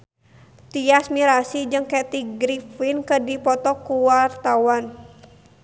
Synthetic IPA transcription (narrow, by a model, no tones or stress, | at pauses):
t̪iasmiɾasid͡ʒɨŋkɛt̪iɡɾifinkədipɔt̪ɔkuwart̪awan